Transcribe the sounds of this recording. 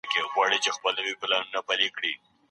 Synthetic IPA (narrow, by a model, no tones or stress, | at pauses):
keɣwɑɽit͡ʃexpəlnəwiplɑnunapalikɽi